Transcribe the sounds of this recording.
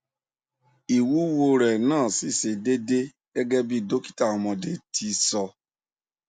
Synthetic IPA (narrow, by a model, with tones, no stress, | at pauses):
i˨wu˨˦wo˧ɾɛ˨nãː˦˨si˦˨se˧de˦de˦ | ɡ̥ɛ˦ɡɛ˦bi˦do˦ki̥˦ta˦˨ɔ˨mɔ̃˨de˦tʰi˧sɔ˧